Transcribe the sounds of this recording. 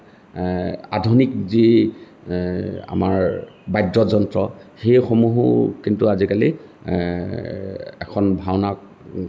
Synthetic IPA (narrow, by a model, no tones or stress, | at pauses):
a̰dʱunikzi | a̰maɹ | bajdɹɔzɔntɹɔxejxomuɦṵkintuazikali | ɛ̰kʰɔnbʱawnak